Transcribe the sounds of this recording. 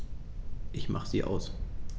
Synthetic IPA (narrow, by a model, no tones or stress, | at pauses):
ʔɪçmʔaχəz̥ḭːʔa̰ʊs